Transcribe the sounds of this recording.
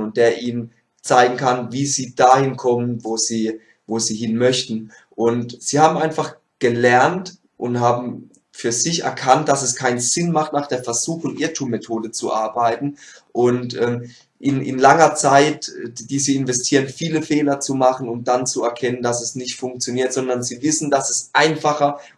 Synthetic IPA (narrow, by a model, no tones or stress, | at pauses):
ʊnt̚d̥eːɐʔiːnən | t͡saɪɡŋ̩kʰanviːziːd̥aːhɪnkʰɔmənvoːz̥iː | voːziːhɪnmœçtn̩ | ʔʊntz̥iːhaːbm̩aɪnfaχ | ɡ̥əlɛɐnt | ʔʊnthaːbm̩ | fyːɐzɪçɛ̰ɐkʰant̚d̥asɛskʰaɪnz̥ɪnmaχtnaːχd̥eːɐfɛɐzuːxʊŋʔɪɐtʰuːmːetʰoːdət͡suʔaɐbaɪtn̩ʔʊntʔɛːm | ʔɪnɪnlaŋɐt͡saɪtd̥iːzəɪnvɛstʰiːʁənfiːləfeːlɐt͡sumaχən̩ʊmd̥ant͡suɛɐkʰɛnəndasɛsnɪçtfʊŋk̚t͡sjoniːɐtz̥ɔndɐnziːvɪsn̩dasɛsʔaɪnfaχɐ